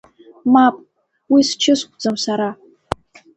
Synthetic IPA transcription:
mapʼ | wist͡ʃʰɪskʷʼd͡zɐmsaɾa

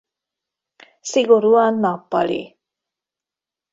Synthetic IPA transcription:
siɡoɾuanapa̰ɭḭ

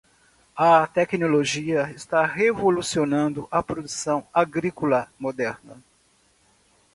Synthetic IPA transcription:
ɐt̪ɛknoloʒiɐɪst̪aɦevolusionɐ̃nd̪ʊʔɐpɾod̪usɐ̃w̃aɡɾikolɐmod̪ɛɾnɐ̰

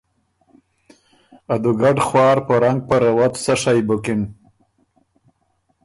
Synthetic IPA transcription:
ad̪uɡaɖχwɑːɾpəɾaŋɡ̚pəɾawat̪saʂajbʊkɪn

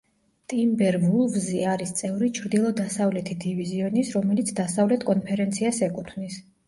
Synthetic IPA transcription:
t̪ʼimbɛɾvulˠvziaɾist̪sʼɛvɾit͡ʃʰɾd̪ilˠɔd̪asavlɛt̪ʰid̪iviziɔnisɾɔmɛlit̪sʰd̪asavlɛt̪ʰkʼɔnpʰɛɾɛnt̪sʰiasɛkʼut̪ʰvnis

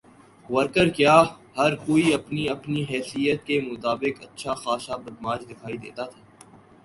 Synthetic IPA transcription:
ʋɐɾkəɾkjaːhɐɾkoːiɐpniɐpniɦɛːsijət̪̚kemʊt̪aːbɪkɐtːʃʰaxaːʃabɐd̪maːd͡ʒd̪ɪkʰaːid̪ḛːt̪at̪ʰaː

